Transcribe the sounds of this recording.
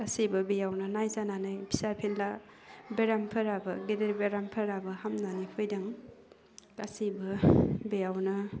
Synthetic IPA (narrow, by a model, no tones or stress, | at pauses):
ɐsibɐbejawnɐnajzananajpʰisaɾpʰenla | beɾampʰɐɾabɐɡedeɾbeɾampʰɐɾabɐhamnanipʰojdaŋ | asibɐbejawnɐ